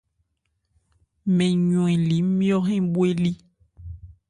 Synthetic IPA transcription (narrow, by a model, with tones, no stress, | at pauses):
mẽ˨ɲũ˨ĩ˨li˨˦mĩ˦ɔ˦ɦɛ̃˦bwe˦li˦